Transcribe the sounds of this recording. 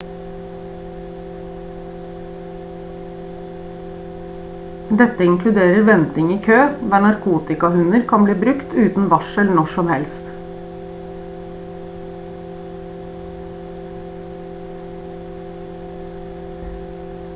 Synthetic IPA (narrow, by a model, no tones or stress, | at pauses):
d̪ɛt̪əɪŋkʰlʉd̪eːɾəɾʋɛnt̪ɪŋiːkʰøːd̪æːɳɑɾkʰuːt̪ɪkɑhʉnəɾkʰɑnbliːbɾʉkt̪ʉːt̪n̩ʋɑʃəlnɔʃɔmhɛlst̪